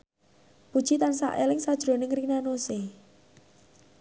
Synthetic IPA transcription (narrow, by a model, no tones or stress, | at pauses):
pud̥ʒ̥it̪ansa̰ʔelɪŋsad̥ʒ̥ɾonɪŋrinanose